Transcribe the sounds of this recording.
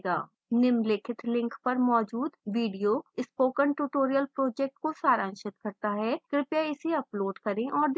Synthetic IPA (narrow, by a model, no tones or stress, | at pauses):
ɡa̰ː | nɪmlɪkʰɪt̪ʰlɪ̃ŋkpɐɾmɔːd͡ʒuːd̪ʋiːɖijoɪspoːkəɳʈuːʈoːɾijəlpɾoːd͡ʒɛːk̚ʈ̚kosaːɾə̃nʃɪt̪kɐɾt̪aɦɛːkɾɪpjaɪseɐploːɖkɐɾẽʔɔːɾd̪